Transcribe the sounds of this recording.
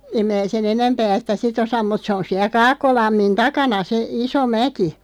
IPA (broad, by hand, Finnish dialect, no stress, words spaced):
em mæː sen enæmpæː sĭtæ sit osɑm mut se on siæ kɑːkːolɑmːin tɑkɑnɑ se iso mæki